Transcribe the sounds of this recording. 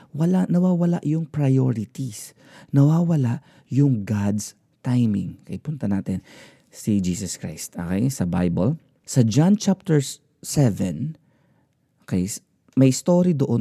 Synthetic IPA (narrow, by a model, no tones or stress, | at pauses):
wɐlanɐwaːwɐla̰ʔjʊŋpɹɐjoɾɪt̪is | nɐwaːwɐlaʔ | jʊŋɡad̪s | t̪ajmɪ̰̃ŋkɐjpʊnt̪ɐnaːt̪ɛn | sid͡ʒiːsɐskɹa̰jst̪ʔo̰kɛjsɐba̰jbɐl | sɐd͡ʒãnt͡ʃap̚t̪ɛɹ | sɛvɛ̰n | ʔokejs | mɐjst̪o̞ːɾid̪oʔo